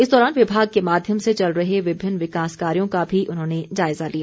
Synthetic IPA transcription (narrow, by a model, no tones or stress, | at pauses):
ɪsd̪ɔːɾaːnʋɪbʱaːɡ̚kemaːd̪ʱjəmset͡ʃɐlɾɐɦeʋɪbʱɪnːʋɪkaːskaːɾijõkabʱiʔʊnɦõːned͡ʒaːɪzalijaː